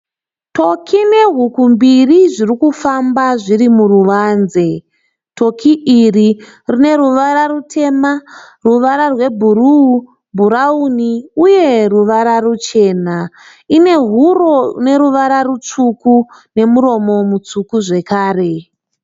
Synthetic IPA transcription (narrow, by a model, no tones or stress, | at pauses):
tʰo̞kʰine̞ɦukumbiriʐirikufambaʐirimuruʋaːnze̞ | tʰo̞kʰiʔiri | rine̞ɾuʋaɾarutʰe̞ma | ruʋaɾarwe̞bʱuruu | bʱuɾauniuje̞ruʋaɾarut͡ʃe̞ːna | ine̞ɦuro̞ne̞ɾuʋaɾarut͡ʂukune̞muɾo̞mo̞mut͡sukuʐe̞kaːre̞